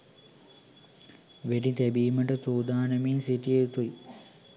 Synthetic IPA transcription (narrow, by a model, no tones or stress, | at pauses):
ʋeɖit̪æbiːməʈət̪uːd̪aːnəminsiʈijet̪uji